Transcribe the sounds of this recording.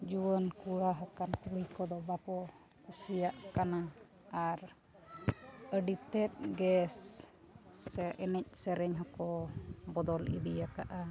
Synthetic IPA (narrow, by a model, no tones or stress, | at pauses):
d͡ʒuwənkuɽaɦakant̪uɾijkɔd̪ɔbapɔ | kusijaʔkana | aɾ | əɖit̪ɛt̪̚ɡɛs | ɛʔɛnɛc̚ˀsɛɾɛɲɦɔkɔbɔd̪ɔlḭd̪ijaka̰ʔa